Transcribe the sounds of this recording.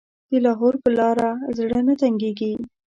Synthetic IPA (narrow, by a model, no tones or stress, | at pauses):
d̪̥əlɑɦoɾpəlɑɾazɽənat̪aŋɡeɡi